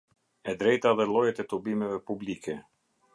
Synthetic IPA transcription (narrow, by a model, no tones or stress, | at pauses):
ɛd̪ɾɛjt̪aðɛlˠɔjɛt̪ɛt̪ɔbimɛvɛpublikɛ